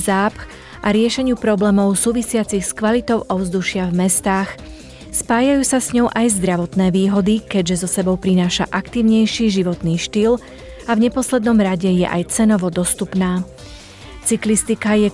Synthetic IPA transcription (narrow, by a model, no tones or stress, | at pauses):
zaːpx | ʔaɾɪɛʃɛɲɪuːpɾɔblɛːmɔʊsuːʋisɪat͡sixskʋalit̪ɔʊʔɔvzd̪uʃɪavmɛst̪aːx | spaːjajuːsasɲɔʊʔajzd̪ɾaʋɔt̪nɛːʋiːɦɔd̪ikɛɟʒɛzɔsɛbɔʊpɾinaːʃaʔakt̪iːʊɲɛjʃiʒiʋɔt̪niːʃt̪il | avɲɛpɔslɛd̪nɔmɾaɟɛjɛ̰ʔa̰jt͡sɛnɔʋɔd̪ɔst̪upnaː | t͡siklist̪ikajɛ